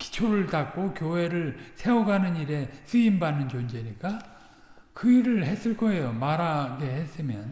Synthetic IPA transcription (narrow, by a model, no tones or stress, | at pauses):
ki̥t͡ɕʰoɾɯɭtak̚k͈okjoɦe̞ɾɯɭsʰe̞oɡanɯniɾe̞sɯimbanːɯnd͡ʑond͡ʑe̞ɲik͈a | kɯiɾɯɭɦe̞s͈ɯɭk͈ʰoe̞jomaɾaɡe̞ɦes͈ɯmjʌn